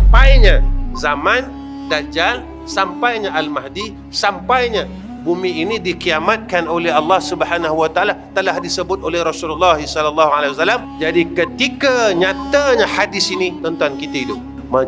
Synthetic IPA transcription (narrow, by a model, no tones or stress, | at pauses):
mpajɲazamãn | dad͡ʒar | sampajɲaʔalmahdi | sampajɲã | bumĩinĩdikiamat̪̚kanolɛhɑlːɑhsubəħanaɦuwat̪aalat̪əlahdisəbʊt̪̚ʔolɛhɾɔsululːɑɦisɔlalːɑɦualaiwasalamd͡ʒadikət̪ikaɲat̪aɲahadɪsinit̪ənt̪ankit̪aidʊp̚ | ma